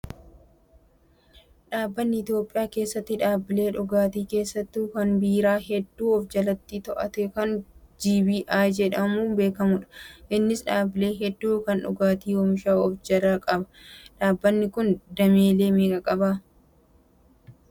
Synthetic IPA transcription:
ᶑaːbːɐnːɪɪt̪jo̞ːpʼɪjaːke̞ːsːɐt̪ːɪᶑaːbːɪle̞ːᶑʊɡaːt̪iːke̞ːsːɐt̪ːukɐnbiːɾaːɦɛd̪ːuːɔfd͡ʒɐlɐt̪ːit̪ɔʔɐt̪ɛkɐnd͡ʒiːbiːʔaːd͡ʒɛᶑɐmuːnbe̞ːkɐmʊᶑɐ̥ʔɪnːɪsᶑaːbːɪle̞ːɦɛd̪ːuːkɐnᶑʊ̰ɡaːt̪iːwɔmɪʃaːɔfd͡ʒɐlaːkʼɐbɐ̥ᶑaːbːɐnːɪkʊnd̪ɐme̞ːle̞ːmeːkʼɐkʼɐbaː

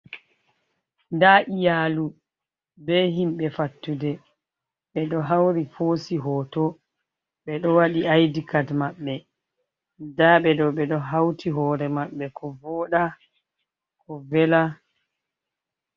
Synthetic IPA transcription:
daʔijaːlu | bɛɦimɓɛfatːudɛ | ɓɛɗɔɦawɾifoːsiɦɔːtɔ | ɓɛɗɔwaɗiajdikatmaɓːɛ | daɓɛdɔɓɛɗɔɦawtʰiɦɔːɾɛmaɓːɛkɔvɔːɗa | kɔvɛla

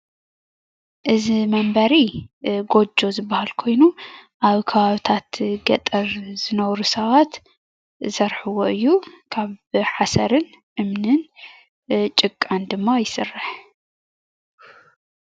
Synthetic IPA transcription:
ʔɨzimɐmbɐɾiɡo̞d͡ʒːo̞zɨbːahalkʰo̞jnu | ʔaβkʰɐβaβit̪ʰat̪ɡɐt̪ʼɐɾz̥ɨnɐwɾusɐβat̪ | ɨsɐɾħɨwo̞ʔɨjːukʰaβħasɐɾɨn | ʔɨmnɨn | t͡ʃʼɨkʼːand̪ɨmːajɪsɨrːɨħ

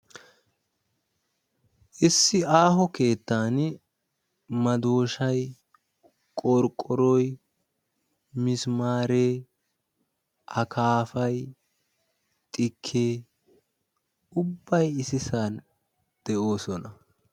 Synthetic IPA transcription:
ʔɪsːɪaːɦɔke̞ːt̪ːaːn | mɐd̪o̞ːʃɐj | kʼɔɾkʼːɔɾɔj | mɪsmaːɾeː | ʔɐkaːfɐj | t̪ʼɪkʰːeː | ʊbːɐjɪsɪsaːn | d̪̥ɛʔo̞ːsɔnɐ

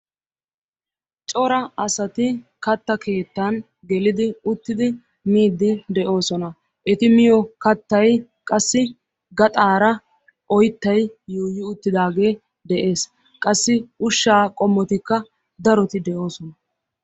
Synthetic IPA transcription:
t͡ʃʼɔɾɐɐsɐt̪ɪkɐt̪ːɐke̞ːt̪ːɐn | ɡɛlɪd̪ɪʊt̪ːɪd̪ɪ | miːd̪ːɪd̪ɛʔo̞ːsɔnɐ | ʔɛt̪ɪmɪjɔkɐt̪ːɐj | kʼɐsːɪ | ɡɐt̪ʼaːɾɐ | ʔɔjt̪ːɐjjuːjːɪʊt̪ːɪd̪aːɡe̞ː | d̪ɛʔe̞ːs | kʼɐsːɪʔʊʃːaːkʼɔmːɔt̪ɪkːɐ | d̪ɐɾɔt̪ɪd̪ɛʔo̞ːsɔnɐ

